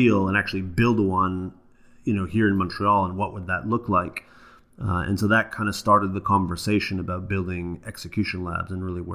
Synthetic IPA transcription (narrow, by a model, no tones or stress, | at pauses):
ilˠə̃næk̚t͡ʃʉl̩ˠibɪlˠdəwʌ̃n | jɨnoʊhiɹɨ̃nmɑ̃ntʰɹ̥iɑlˠə̃nwʌʔwʔəd̪̚ðətˡlʊklaɪk | ɨ̰̃nsoʊðɨt̚kʰãɪ̃ndəstɑɹɾɨd̪̚ðəkʰɑ̃ɱvə˞seɪʃɨ̃nəbaʊt̚b̥ɪlˠdɪ̃ŋɛksɨkʰj̥ʉʃɨ̃nlæ̰bzɨ̃nɹɪlˠiwə̰